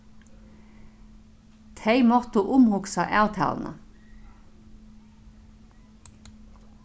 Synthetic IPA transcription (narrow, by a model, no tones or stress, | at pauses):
t̪ʰeɪmɔt̪əʔʊmhʊksɑʔɑʉt̪ʰɑ̰ːln̩ə̰